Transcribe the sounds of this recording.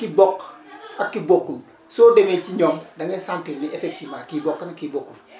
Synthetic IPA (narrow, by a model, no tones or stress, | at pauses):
kibokakːibokːun | sodeŋet͡ʃiɲomdaŋesanteniʔefek̚timakibokːanakibokːun